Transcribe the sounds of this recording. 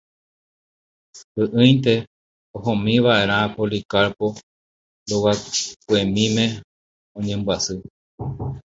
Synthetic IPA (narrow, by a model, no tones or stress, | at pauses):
ɨʔɨ̃jnt̪e̞ | oɦõmĩʋaʔe̞ɾ̃ãpolikaɾpo̞ | d̪owakwemĩmẽ̞ | õɲẽmbwasɨ